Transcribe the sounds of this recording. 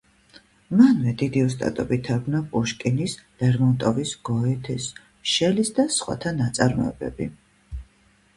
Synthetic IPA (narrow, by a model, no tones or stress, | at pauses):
manvɛd̪id̪iɔst̪ʼa̰t̪ʼɔbit̪ʰaɾɡnapʼuʃkʼinislɛɾmɔnt̪ʼɔvisɡ̥ɔɛt̪ʰɛs | ʃɛlisd̪asχwa̰t̪ʰanat̪sʼaɾmɔ̰ɛ̰bɛ̰bḭ